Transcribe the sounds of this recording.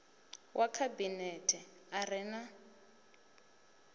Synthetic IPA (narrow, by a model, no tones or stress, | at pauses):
wʔakʰabinɛtʰɛ | arɪna